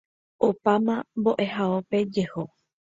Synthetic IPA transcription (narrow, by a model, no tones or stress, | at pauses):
opamãmbo̞ʔe̞ɦaope̞d͡ʒeho